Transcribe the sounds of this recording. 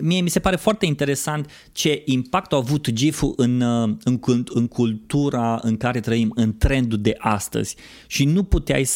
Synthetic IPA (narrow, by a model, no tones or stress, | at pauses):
mijemise̞paɾe̞foart̪e̞int̪e̞ɾe̞sant̪ | t͡ʃe̞ʔimpak̚t̪awavut̪d͡ʒifuʔɨnɨŋkɨŋkʰult̪uɾaɨ̰ŋkaɾe̞t̪ɾəimɨnt̪ɾe̞nd̪ud̪e̞ʔast̪ə̰z̥ʲ | ʃinuput̪ea̰js